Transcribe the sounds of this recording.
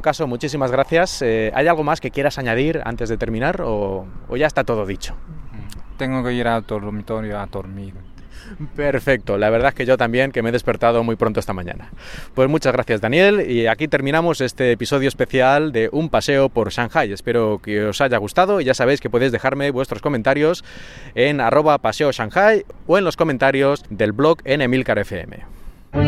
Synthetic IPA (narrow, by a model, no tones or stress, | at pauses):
kaso̞mut͡ʃisimazɣ̞ɾaθjasea̰jalɣ̞o̞maske̞kje̞ɾasaɲað̞iɾa̰nt̪e̞zðe̞t̪e̞ɾmĩnaɾoo̰ʝaest̪at̪o̞ð̞o̞ðit͡ʃo̥ | t̪eŋɡokeiɾalt̪oɾmit̪oɾjoat̪oɾmiðo | pe̞ɾfe̞k̚t̪o̞laβ̞e̞ɾð̞aekeʝo̞t̪ambje̞ŋkeme̞ðepe̞ɾt̪að̞o̞mujpɾont̪oest̪amãɲã̰napwe̞zmut͡ʃazɣɾaθjazðanje̞liakit̪e̞ɾmĩnãmose̞st̪e̞ːpiso̞ðjoespe̞θjald̪e̞ʔumpase̞opo̞ɾʃaŋxaje̞spe̞ɾokeo̞saʝaɣ̞ust̪aðoiʝasaβ̞e̞jskepwo̞ðezðe̞xaɾme̞βwe̞st̪ɾo̞skoment̪aɾjo̞s | e̞narʔo̞βapase̞o̞ʃaŋxajoe̞nlo̞sko̞mẽnt̪aɾjo̞zd̪e̞lβlo̞ke̞nemilkaɾe̞feḛmḛ